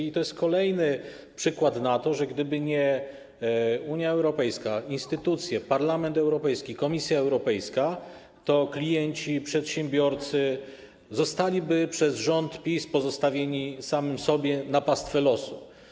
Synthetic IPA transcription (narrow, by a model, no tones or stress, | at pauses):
it̪ɔjɛst̪̚kɔlɛjnɘ | pʂɘkwat̪nat̪ɔʐɛɡd̪ɘbɘɲɛ | uɲjaɛwɾɔpɛjskainst̪ɘt̪ut̪sʲjɛpaɾlamɛnt̪ɛwɾɔpɛjskʲikɔmʲisʲjaɛwɾɔpɛjska | t̪ɔklʲijɛɲt͡ɕipʂɛt̪ɕɛmbʲjɔɾt̪sɘ | zɔst̪alʲibɘpʂɛzʐɔnt̪pʲispɔzɔst̪avʲjeɲisamɘmsɔbʲjɛnapast̪fɛlɔsu